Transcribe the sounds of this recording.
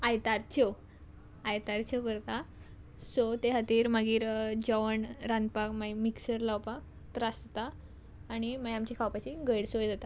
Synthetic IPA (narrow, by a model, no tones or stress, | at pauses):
ajt̪aɾt͡ɕo | ajt̪aɾt͡ɕokəɾt̪a | sot̪eɦat̪iːɾməɡiːɾd͡ʑəʋəɳɾãnd̪pakmajmiksəɾlawpak̚ | t̪ɾast̪aː | ɽ̃imajamt͡ɕikʰawpat͡ɕiɡəjɽsojd͡zat̪a